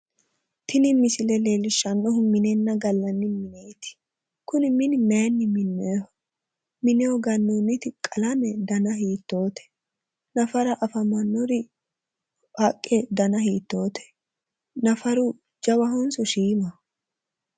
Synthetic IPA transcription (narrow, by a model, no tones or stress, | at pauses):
t̪ʰɪnɪmɪsɪlɛle̞ːlɪʃːɐnːɔɦʊmɪnɛnːɐɡɐlːɐnːɪmɪneːt̪ɪ̥ | kʊnɪmɪnɪmeːnːɪmɪnːɛhɔ | mɪnɛɔɡɐnːunːɪt̪ɪkʼɐlɐmɛd̪ɐnɐɦiːt̪ːo̞ːt̪ɛ̥ | nɐfɐɾɐʔɐfɐmɐnːɔɾɪ | hɐkʼːɛd̪ɐnɐɦiːt̪ːo̞ːt̪ɛ̥ | nɐfɐɾʊ | d͡ʒɐwɐɦɔnsɔʃiːmɐ